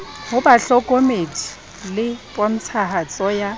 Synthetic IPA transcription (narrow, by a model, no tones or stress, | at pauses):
hʊbaɬɔkʼomedʼi̥ | lɪpʼɔn̩t͡sʰaɦat͡sʼɔja